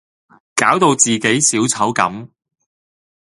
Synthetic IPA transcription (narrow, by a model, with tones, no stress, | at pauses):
kaː˨˥wt̪o˧wt͡siː˨ke˨˥jsiː˨˥wt͡sʰɐ˨˥wkɐ̰˨˥m